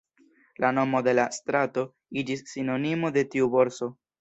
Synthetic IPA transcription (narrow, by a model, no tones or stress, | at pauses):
lano̞mo̞de̞lastɾato̞ | id͡ʒisːino̞nimo̞de̞tiubo̞ɾso̞